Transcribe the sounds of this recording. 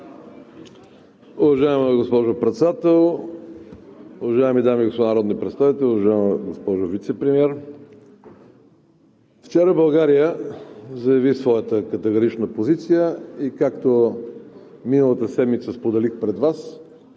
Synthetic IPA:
ʊvɐʒaɛməɡospɔʒopɾɛt̪sɛd̪at̪ɛlˠ | ʊvɐʒaɛmid̪amiɡosponəɾɔd̪nipɾɛt̪st̪avit̪ɛlʲʊvɐʒaɛməɡospɔʒovit̪sɛpɾimiɛɾ | ft͡ʃɛɾəbɐlˠɡaɾijəzɐjɐvisvɔjət̪əkət̪ɛɡoɾit͡ʃnəpozit̪sijəikakt̪o | minəlˠət̪əsɛd̪mit̪səspod̪ɛlixpɾɛd̪vas

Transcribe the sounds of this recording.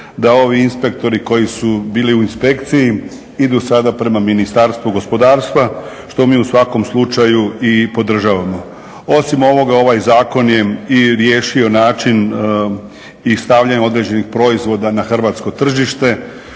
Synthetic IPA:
d̪ao̞ʋiinspe̞k̚t̪o̞ɾiko̞jisubiːliuinspe̞kt̪siji | id̪usad̪apɾe̞maminist̪aɾst̪ʋuɡo̞spo̞d̪aːɾst̪ʋa | ʃt̪o̞miːusʋako̞mslˠut͡ʃajuipo̞d̪r̩ʒaːʋamo̞ | o̞simo̞ʋo̞ɡao̞ʋajzaːko̞nje̞iɾje̞ːʃio̞naːt͡ʃin | ist̪aʋʎaɲo̞d̪ɾe̞ːd͡ʑe̞nixpɾo̞izʋo̞d̪anaxr̩ʋaːt̪sko̞t̪r̩ʒiʃt̪e̞

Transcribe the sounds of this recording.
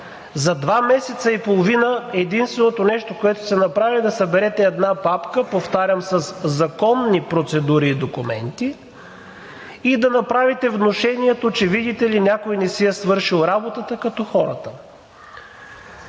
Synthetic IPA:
zɐd̪vamɛsɛt̪səipolˠovinəɛd̪inst̪vɛnot̪onɛʃt̪okoɛt̪osɛnɐpɾavid̪ɐsɐbɛɾɛt̪ɛɛd̪napapkəpoft̪aɾʲəmsɐszɐkɔnːipɾot̪sɛd̪uɾiːd̪okumɛ̰nt̪i | d̪ɐnɐpɾavit̪ɛvnoʃɛniɛt̪ot͡ʃɛvid̪it̪ɛlinʲakojnɛsiɛsvɤɾʃilˠɾabot̪ət̪əkɐt̪ɔxɔɾət̪ə

